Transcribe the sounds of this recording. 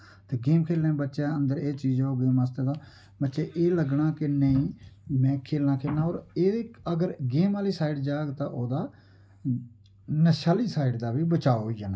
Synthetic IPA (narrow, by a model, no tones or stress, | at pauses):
t̪eːɡeːmkʰeːlnẽːbətːʃeːənd̪əɾeːt͡ʃiːd͡ʒoːɡeːmaːst̪eːd̪aː | bətːʃeːʔeːləɡɳaːkɪnəĩːmɛ̃ːkʰeːlnãːkʰeːlnaːoːɾeːeːəɡəɾɡeːmaːliːsaːɪɖd͡ʒaːɡt̪ãːʔoːd̪aː | nəʃaːliːsaːɪɖd̪aːʋiːbət͡ʃaːoɦoiːd͡ʒaːnaː